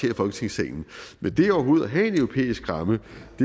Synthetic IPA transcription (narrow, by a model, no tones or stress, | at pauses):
e̝̰ɐfɒ̽lɡ̥ə̥t͡sʰe̝ŋsɛːn̩mend̥e̝ɒʊɐɦo̝ːð̞̩ˠæɦɛe̝nøʊʁo̝pʰḛːisɡ̥ʁɑ̈məd̥e